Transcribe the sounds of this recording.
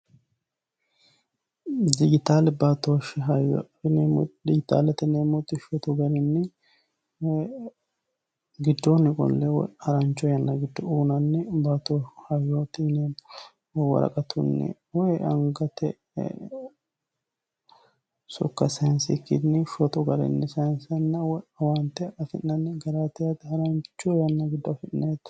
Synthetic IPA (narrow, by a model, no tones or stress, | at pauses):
d̪ɪɡɪt̪aːlɛbat̪oʃɦɐj | nd̪ɪɡɪt̪a̰ːlɛt̪ːɛnemʊt̪ʼːɪʃɔt̪ʊɡɐnɪnːɛ | ɡɪd̪ːonːɪkʼɔ̰lːɛw̰ɐɾɐnt͡ʃːɔjɐnːɐɡɪd̪ːɔuːnɐnːɛbaːt̪ohɐjot̪ɪnɛ | wɐ̰ɾɐ̰kʼɐt̪ʰʊnːɪ̰ | wɔjʔɐ̰ŋɡɐt̪ɛ̰ | sɔkːɐsɐnsɪkːɪ̰nɪʃɔt̪ɔɡɐɾɛ̰nːɪsɐnsɐnːɐwɔɐwɐnt̪ːɛɐfɪ̰nnɐnːɪɡɐɾaːt̪ɛjat̪ɐɾɐnt͡ʃːɔjɐnːɐɡɪd̪ːɔɐfɪnnaɛt̪ː